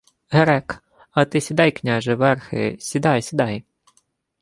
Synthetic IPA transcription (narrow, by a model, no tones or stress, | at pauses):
ɦɛɾɛk | ɐt̪ɪsʲid̪ɑjknʲaʒɛʋɛrxɪ̰sʲid̪ɑjsʲid̪ɑj